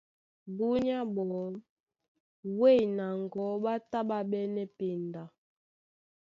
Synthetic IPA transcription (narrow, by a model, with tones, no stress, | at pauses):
bu˦ɲa˦bɔ˨ | we˦˨jna˨ŋ˨ɡɔ˨˦ɓa˦ta˦ɓa˦ɓɛ˦nɛ˦pe˨nda˨